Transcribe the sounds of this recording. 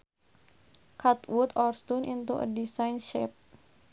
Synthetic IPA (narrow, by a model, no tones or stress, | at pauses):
kat̪wʊt̪ɔrst̪unʔint̪uʔə̰disajnʃɛp̚